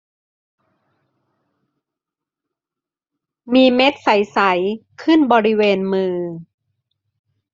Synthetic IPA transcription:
miː˧me˦˥t̪̚sa˩˦jsa˩˦jkʰɯ˥˩nbɔː˧ɾi˦˥weː˧nmɯː˧

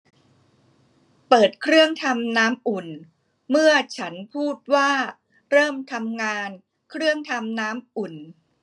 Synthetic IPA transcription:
pɤː˨˩t̪̚kʰɾɯ˥˩əŋt̪ʰa˧mnaː˦˥mʔu˨˩n | mɯ˥˩ɐət͡ɕʰa˦˥npʰuː˥˩t̪̚waː˥˩ | ɾɤː˥˩mt̪ʰa˧mŋaː˧n | kʰɾɯ˥˩əŋt̪ʰa˧mnaː˦˥mʔu˨˩n

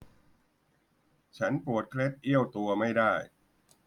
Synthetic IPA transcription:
t͡ɕʰa˦˥npu˨˩ət̪̚kʰle˦˥t̪̚ʔi˥˩əwt̪u˧ɐma˥˩jdaː˥˩j

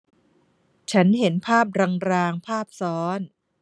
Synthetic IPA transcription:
t͡ɕʰa˦˥nhe˩˦npʰaː˥˩p̚ɾa˧ŋɾaː˧ŋpʰaː˥˩p̚sɔː˦˥n

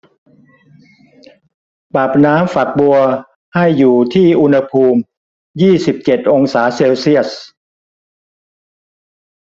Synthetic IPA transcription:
baː˨˩p̚naː˦˥mfa˨˩k̚bu˧ɐ | ha˥˩jːuː˨˩t̪ʰiː˥˩ʔu˧nha˧pʰuː˧m | jiː˥˩si˨˩p̚t͡ɕe˨˩t̪̚ʔo˧ŋsaː˩˦˥seː˧wsi˥˩əs̚

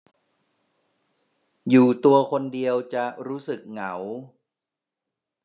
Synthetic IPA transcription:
juː˨˩t̪u˧ɐkʰo˧ndi˧əwt͡ɕa˨˩ɾuː˦˥sɯ˨˩k̚ŋa˩˦w

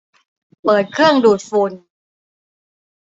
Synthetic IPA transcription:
pɤː˨˩t̪̚kʰɯ˥˩əŋduː˨˩t̪̚fuː˧n

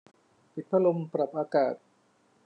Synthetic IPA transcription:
pi˨t̪̚pʰa˧˥lo˧mpɾa˨˩p̚ʔaː˧kaː˨˩t̪̚

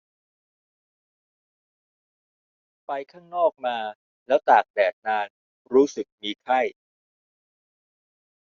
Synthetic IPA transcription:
pa˧jkʰaː˥˩ŋnɔː˥˩k̚maː˧ | lɛː˦˥wt̪aː˨˩k̚dɛː˨˩t̪̚naː˧n | ɾuː˦˥sɯ˨˩k̚miː˧kʰa˥˩j

